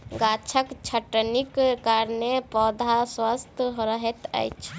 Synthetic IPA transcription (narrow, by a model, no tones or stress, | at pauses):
ɡat͡ʃʰəkt͡ʃʰəʈənikkaɾnepɔd̪ʱaswast̪ɦɾəɦɛt̪ə̰jt͡ʃʰ